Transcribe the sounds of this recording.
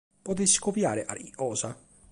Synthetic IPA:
pot̪eskopjaːɾeʔa̰ɾiʔɔːsa

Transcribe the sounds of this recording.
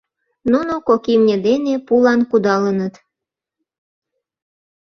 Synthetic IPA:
nunokokimnʲed̪enepulɑnkud̪ɑlənət̪

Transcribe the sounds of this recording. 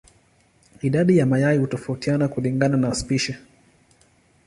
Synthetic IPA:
iɗaɗijamajaihutɔfautianakuliŋɡananaːspiʃɛ

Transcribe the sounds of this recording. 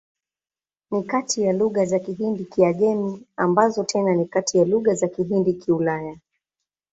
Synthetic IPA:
nikatijaluɣazakiɦindikiaɠɛmiambazɔtʰɛnanikatijaluɣazakiɦindikiulaja

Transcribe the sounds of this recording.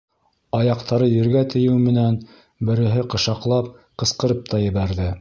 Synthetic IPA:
ɑjɑqt̪ɑɾɤjɘ̆ɾɡæt̪ɘ̆jɘwmɘ̆næn | bɘ̆ɾɘ̆ɦɘqɤ̆ʃɑqlˠɑp̚qɤ̆sqɤ̆ɾɤp̚t̪ɑjɘ̆βæɾðɘ

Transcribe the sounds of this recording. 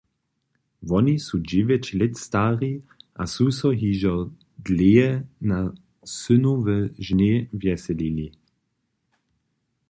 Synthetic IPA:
vɔnisud͡ʒivɛt͡ʃlɪt̪st̪aːʁiʔasusɔɦiːʒɔ | d̪leɛna | sʏnuvɛʒnevjɛsɛlili

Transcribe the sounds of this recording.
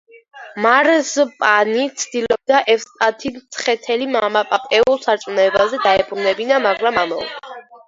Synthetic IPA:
maɾzpʼanit̪sʰd̪̥ilɔb̚d̪aʔɛfst̪ʼat̪ʰimt̪sʰχɛt̪ʰɛlimamapʼapʼɛulˠsaɾt̪sʼunɛbazɛd̪aɛpʰuɾnɛbinamaɡɾamamɔ̰lˠd̪a

